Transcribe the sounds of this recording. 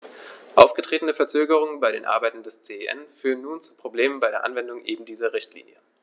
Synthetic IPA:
ʔaʊfɡ̥ətʁ̥eːtn̩əfɛɐt͡søːɡəʁ̞ʊŋənbaɪɾeːnʔa̰ɐbaɪtn̩dɛst͡sḛːʔɛ̰nfyːʁənːuːnt͡su̥pʁ̥obleːmənbaɪɾeːɐʔanvɛndʊŋʔeːbm̩diːzɐʁɪçtʰlḭːnjə

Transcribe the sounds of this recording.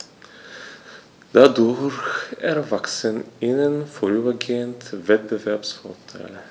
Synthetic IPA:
d̪̥æd̪uːɾæːɾvaksənɪnənfɔɾʉːbəɡeːənt̪vɛt̪̚bəvæɾpsfo̰ːtʰɑ̰ːl

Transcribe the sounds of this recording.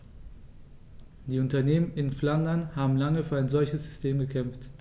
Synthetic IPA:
d̥iːʊntɐneːmənɪnflandɐnhaːbm̩laŋəfyːɐaɪnzɔlçəsz̥ʏstʰeːmɡəkʰɛmft

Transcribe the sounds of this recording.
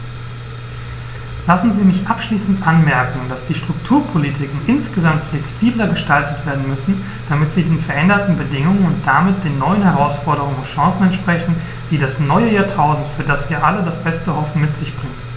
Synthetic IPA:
lasn̩ziːmɪçʔapʃliːsn̩tʔanmɛɐkŋ̩d̥asd̥iːʃtʁ̥ʊktʰuːɐpʰolitʰɪkŋ̩ʔɪnsɡ̥əzamtflɛksiːblɐɡəʃtaltətv̥eːɐdn̩mʏsn̩ | d̥amɪtz̥iːdeːnfɛɐʔɛndɐtn̩bədɪŋʊŋənʊntd̥amɪt̚d̥eːnːɔʏənhɛʁaʊsfɔɐɾəʁ̞ʊŋəʊntʃãŋsn̩ɛntʃpʁ̥ɛçn̩ | d̥iːdasnɔʏəjaːɐtʰaʊzn̩tfyːɐdasv̥iːɐʔalədasb̥ɛstəhɔfn̩mɪtz̥ɪçb̥ʁɪŋt

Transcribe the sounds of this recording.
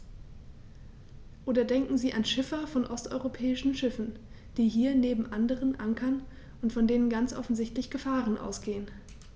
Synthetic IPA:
ʔoːdɐdɛŋkŋ̩ziːʔanʃɪfɐfɔnʔɔstʔɔ̰ʏʁopʰɛːɪʃn̩ʃɪfn̩ | d̥iːɦiːɐneːbm̩ʔandəʁənʔaŋkʰɐn | ʔʊntfɔndeːnənɡant͡sʔɔ̰fn̩zɪçtlɪçɡ̥əfaːʁənʔa̰ʊsɡ̥eːən

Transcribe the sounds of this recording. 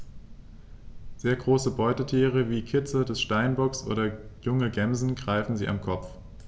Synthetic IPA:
z̥eːɐɡʁoːsəbɔʏtətʰiːʁ̞əviːkʰɪt͡sədɛsʃtaɪnbɔksʔo̰ːɾɐjʊŋəɡɛmzn̩ɡʁaɪfn̩zḭːa̰mkʰɔp͡f

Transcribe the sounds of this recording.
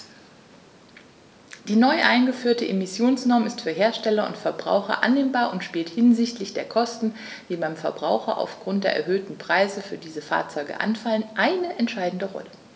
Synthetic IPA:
d̥iːnɔʏʔaɪnɡəfyːɐtəʔemɪsjoːnsnɔɐmɪstfyːɐɦeːɐʃtɛlɐʊ̰ntfɛɐbʁa̰ʊxɐ̰ʔa̰nːeːmbaːɐʔʊntʃpiːlthɪnzɪçtlɪçd̥eːɐkʰɔstn̩ | d̥iːbaɪmfɛɐbʁaʊxɐʔa̰ʊfɡ̥ʁʊnt̚d̥eːɐʔɛ̰ɐɦøːtn̩pʁ̥aɪzəfyːɐdiːzəfa̰ːɐt͡sɔʏɡə̰ʔa̰nfalənʔaɪnəʔɛntʃaɪdn̩dəʁɔ̰lə

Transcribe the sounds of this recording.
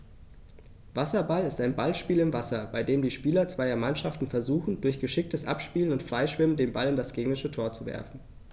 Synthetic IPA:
vasɐbalɪstaɪnbalʃpiːlɪmvasɐbaɪdeːmdiːʃpiːlɐt͡sv̥aɪɐmanʃaftn̩fɛɐzuːxn̩dʊɐçɡ̥əʃɪk̚təsʔa̰pʃpiːlənʊntfʁ̥aɪʃv̥ɪməndeːmbalɪndasɡ̥eːɡŋ̩lɪʃətʰoːɐt͡suvɛ̰ɐfn̩

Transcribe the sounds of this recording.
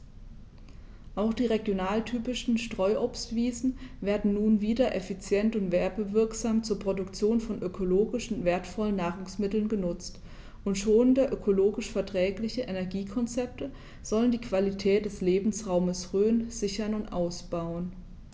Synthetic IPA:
ʔaʊxd̥iːʁeɡjonaːltʰyːpɪʃn̩ʃtʁ̥ɔʏʔopstv̥iːzn̩veːɐdn̩ːnuːnviːdɐʔɛfit͡sjɛntʊntv̥ɛɐbəvɪɐkz̥aːmt͡suːɐpʁ̥odʊkt͡sjoːnfɔnʔøkʰoloːɡɪʃn̩veːɐtfɔlənːaːʁʊŋsmɪtl̩nɡənʊt͡st | ʔʊntʃoːndeɐʔøkʰoloːɡɪʃfɛɐtʁ̥ɛːklɪçəʔenɛɐɡiːkʰɔnt͡sɛp̚tə | z̥ɔləndiːkv̥alitʰɛːt̚d̥ɛsleːbm̩sʁaʊməsʁøːənz̥ɪçɐnʊntʔaʊsb̥aʊən

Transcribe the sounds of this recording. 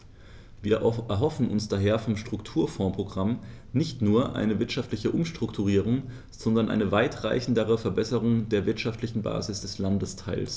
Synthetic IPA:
viːɐʔʔɛɐɦɔfn̩ʊnsd̥aːɦeːɐfɔmʃtʁ̥ʊktʰuːɐfɔ̃ːpʁ̥oɡʁam | nɪçtnuːɐʔa̰ɪnəvɪɐtʃaftlɪçəʔʊmʃtʁ̥ʊktʰuʁ̞iːʁ̞ʊŋ | z̥ɔndɐnʔa̰ɪnəvaɪtʁ̥a̰ɪçn̩dəʁ̞əfɛɐbɛsəʁʊŋdeːɐvɪɐtʃaftlɪçn̩ba̰ːzɪsd̥ɛslandəstʰaɪls

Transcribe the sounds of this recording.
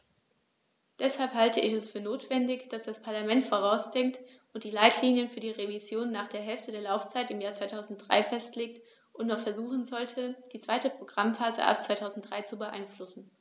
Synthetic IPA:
d̥ɛshalphaltəʔɪçɛsfyːɐnoːtv̥ɛndɪçd̥asd̥aspʰaɐlamɛntfoʁ̞aʊsd̥ɛŋk̚t | ʊnt̚d̥iːlaɪtʰliːnjənfyːɐdiːʁevizjoːnːaːχd̥eːɐɦɛlftədeːɐlaʊft͡saɪtɪmjaːɐt͡sv̥aɪtʰaʊzn̩t̚d̥ʁa̰ɪfɛstʰleːk̚t | ʔʊntnɔχfɛɐzuːχn̩zɔltʰəd̥iːt͡sv̥aɪtəpʁ̥oɡʁamfaːzə̰ʔa̰p̚t͡sv̥aɪtʰaʊzn̩td̥ʁaɪt͡subəʔa̰ɪnflʊsn̩

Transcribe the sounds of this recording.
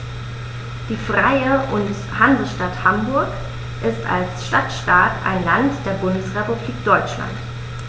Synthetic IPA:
d̥iːfʁ̥aɪəʔʊnt | hanzl̩ʃtathambʊɐk | ʔɪsta̰lsʃtatʃtaːta̰ɪnlantd̥eːɐbʊndəsʁepubliːk̚d̥ɔʏt͡ʃla̰nt

